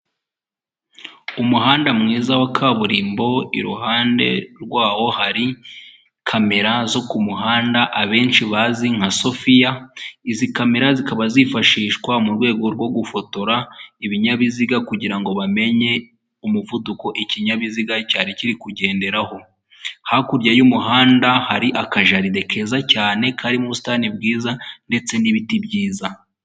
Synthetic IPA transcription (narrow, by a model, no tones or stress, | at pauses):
umuɦaːndamŋiːzawakʰaβuɾiːmbo̞ḭɾuɦaːnde̞̰ɾɡwaːwo̞haɾi | kʰame̞ɾazo̞kumuɦaːndaʔaβe̞ːnt͡ʃiβaziŋ̥haso̞fijaizikame̞ɾazikaβazifaʃiːʃkwamuɾɡwe̞ːɡo̞ɾɡwo̞ɡufo̞to̞ɾaiβiɲaβiziɡakuɟiɾaŋɡo̞βame̞ɲe̞ | umuvuduko̞ʔiciɲaβiziɡacaːɾiciɾikuɟe̞ːnde̞ɾaho̞ | hakuɾɟajumuɦaːndahaɾiʔakaʒaɾide̞kʰe̞zacaːne̞kʰaɾimuβusi̥tanibɡiːzande̞t͡se̞niβitibɟiːza